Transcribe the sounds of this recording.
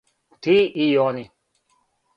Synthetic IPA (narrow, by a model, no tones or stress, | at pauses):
t̪ʰiijɔni